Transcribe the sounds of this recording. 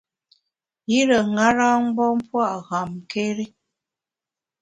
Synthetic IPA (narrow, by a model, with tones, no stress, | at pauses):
ji˦ɾə˨ŋa˦ɾa˦ŋ˦bɔ˦m˦pwa˦˨ʔɣa˨mke˦ɾi˦